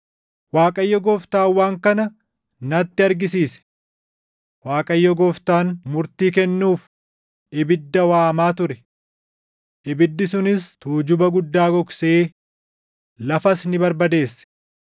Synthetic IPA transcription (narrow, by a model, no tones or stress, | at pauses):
waːkʼɐjːɔɡɔːft̪aːwːaːŋkɐnɐ | nɐt̪ːɪɐɾɡɪsiːsɛ̥ | waːkʼɐjːɔɡɔːft̪aːnmʊɾt̪iːkɛnːuːf | ʔɪbɪd̪ːɐwaːmaːt̪ʊɾɛ | ʔɪbɪd̪ːɪsʊnɪst̪uːd͡ʒʊbɐɡʊd̪ːaːɡɔkse̞ː | lɐfɐsnɪbɐɾbɐd̪e̞ːsːɛ̥